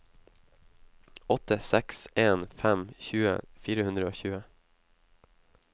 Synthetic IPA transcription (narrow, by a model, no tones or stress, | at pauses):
ɔt̪əsɛkseːnfæmçʉːə̰fiːɾəhʉnd̪ɾəoːçʉːə